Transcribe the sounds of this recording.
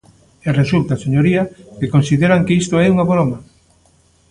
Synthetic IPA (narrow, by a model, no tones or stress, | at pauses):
eresult̪aseɲoɾiɐkekonsiðeɾɐŋkeist̪oɛuŋaβɾɔmɐ